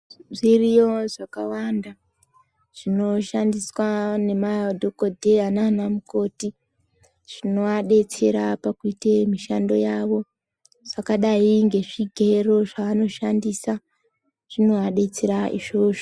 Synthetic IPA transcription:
ʐirijo̞ʐakawanda | ʐ̥ino̞ʃandiswane̞maodʱoko̞dʱeananamuko̞ti | ʐ̥ino̞aɗe̞t͡se̞ɾapakuitemiʃando̞̰jaʋo̞ | ʐ̥akaɗaiŋɡe̞ʐiɡʱe̞ro̞ʐaʋano̞ʃandisa | ʐ̥ino̞aɗe̞t͡se̞ɾaḭʐoʐo

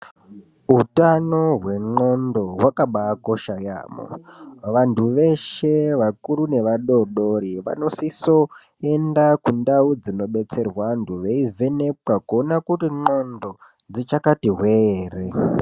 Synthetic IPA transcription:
ɦutanoɦwe̞ŋ͡ǃo̞ndo̞wakaɓaːkoʃaja̰ːmo̰ʋantʰuʋe̞ʃeʋakuɾune̞ʋaɗo̞ɗoɾiʋa̰no̞siso̞ | endakundaud͡zino̞ɓe̞t͡se̞rwanduʋeivʱe̞ne̞p̚wakuonakutiŋ͡ǃo̞ndo̞ | d͡zit͡ʃakatiɦweeːre

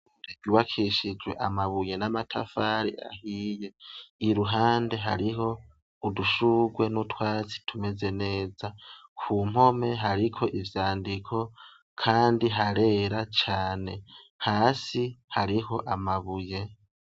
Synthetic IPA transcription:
teɡuβakʰiʃid͡ʒwe̞̰ʔamaβuje̞namatʰafaɾḭʔa̰hiːje̞iɾuɦaːnde̞ɦaɾiɦo̞ | uduʃuːɡwe̞nutwaːt͡si̥tʰume̞ze̞ne̞ːzakʰum̥ho̞me̞ɦaɾikʰo̞ʔivjaːndikʰo̞ | kʰaːndiɦaɾe̞ːɾat͡ʃaːne̞ | haːsihaɾiɦo̞ʔamaβuje̞

